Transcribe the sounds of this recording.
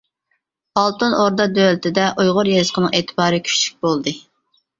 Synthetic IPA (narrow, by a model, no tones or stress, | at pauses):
ɑlˠt̪ɨnoɾd̪ɑd̪ølt̪ʰɪd̪ɛʔujʁʊɾjezzqʰənɨŋeːt̪ʰɨ̥bɑːɾɨkʲʰy̥ʃly̥k̚ʲbolˠd̪ɨ